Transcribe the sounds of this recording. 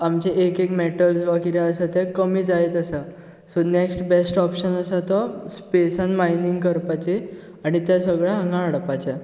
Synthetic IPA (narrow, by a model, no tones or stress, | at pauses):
amt͡ɕeʔekekmeʈəlsbakiɾjaəsat̪jãkəmiːd͡zaet̪əsa | soneksʈbesʈɔpɕənəsat̪ɔspesanmainiŋɡkəɾpat͡ɕe | aɽ̃it̪jãsəɡɭaɦãŋɡãəɽpat͡ɕa